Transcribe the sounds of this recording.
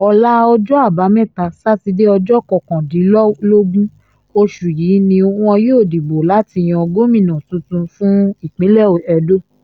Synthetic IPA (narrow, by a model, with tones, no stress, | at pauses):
ɔ˧la˦˧ɔ˧d͡ʒɔ˦a˦˨ba˨˦mɛ̃˦˨ta˧sa˦ti˧de˦ɔ˧d͡ʒɔ˦kɔ˧˨kã˨di˨˦lɔ˦lo˦ɡũ˦ | o˧ʃu˨jiː˨˦nĩ˧o˧ũ˦ã˧joː˦˨di˨bo˨la˦ti˧j̃ã˧ɔ˧ɡo˦mĩ˦˨nã˨tũ˨˦tũ˧fũ˦i˦˨k͡pĩ˨˦lɛ˦˨o˨ɛ˧do˦